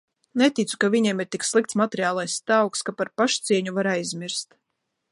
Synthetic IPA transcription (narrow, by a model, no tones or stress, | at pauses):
nɛt̪it̪su̥kavʲiɲɛɛmiɾt̪ikslˠik̚t̪smat̪ɛɾiaːlˠajst̪awkskapaɾpaʃt̪siɛɲuvaɾajzmʲiɾst̪